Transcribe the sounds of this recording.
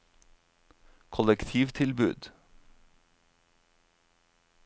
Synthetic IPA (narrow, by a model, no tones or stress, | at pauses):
kʰɔlɛkt̪ʰiːʋt̪ʰɪlbʉ̰ːd̪